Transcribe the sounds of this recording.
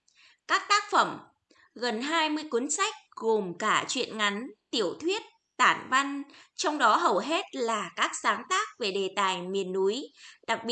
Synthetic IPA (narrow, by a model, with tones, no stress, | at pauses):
kaː˦˥k̚t̪aː˦˥k̚fə˧˩m | ɣə˨˩nɦaː˧jmɨ˧əjku˨˦nsa˦˥jk̚ɣo˨˩mkaː˧˩t͡ɕwḭ˧˨ənŋa˨˦nt̪i˧˩əwt̪ʰwi˦˥ət̚ | t̪aː˧˩nva˧nt͡ɕɔ˧wŋ͡mɗɔ˨˦ɦə˨˩wɦe˦˥t̚laː˨˩kaː˦˥k̚saː˨˦ŋt̪aː˦˥k̚ve˨˩ɗe˨˩t̪aː˨˩jmi˨˩ənːu˨˦jɗa˨˩k̚ɓi˧˨